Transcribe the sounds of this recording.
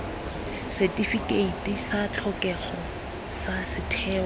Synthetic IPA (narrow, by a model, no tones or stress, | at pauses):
setʼifikʼeitʼisat͡ɬʰɔkɛχɔ | sasɪtʰɛː